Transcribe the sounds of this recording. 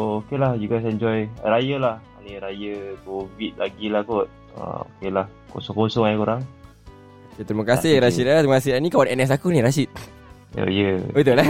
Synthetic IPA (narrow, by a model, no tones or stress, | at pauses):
okelahd͡ʒuɡasɛɲd͡ʒɔjɾajəlahaniɾajəkovit̪̚laɡilahkɔt̪̚ | a̰o̰kelah | ko̰sɔŋkosɔŋajkuɾaŋ | oket̪ɾiməkasɪɾasit̪̚lat̪ɾiməkas̬ɪhanikawanɛnɛs̬akuniɾasit̪̚ | o̰jəit̪ula